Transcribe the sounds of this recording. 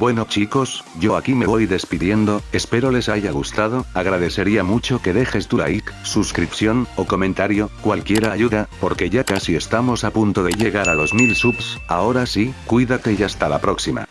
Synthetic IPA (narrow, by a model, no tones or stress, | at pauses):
bwe̞no̞t͡ʃiko̞sʝo̞akime̞βo̞jðe̞spiðje̞nd̪o̞e̞spe̞ɾo̞le̞saʝaɣ̞ust̪aðo̞aɣ̞ɾaðe̞θe̞ɾiamut͡ʃo̞ke̞ðe̞xe̞st̪ula̰iksuskɾipθjo̞noko̞mẽnt̪aɾjo̞kwalkje̞ɾaʝuðapo̞ɾke̞ʝakasie̞st̪amo̞sapunt̪o̞ðeʝe̞ɣaɾalo̞zmilsupsa̰o̞ɾasikwiðakeʝast̪ala̰pɾo̞ksima̰